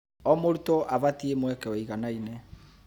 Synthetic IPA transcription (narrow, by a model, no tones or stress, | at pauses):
ɔmoɾutɔʔaβatiemwɛkɛɔiɣanaine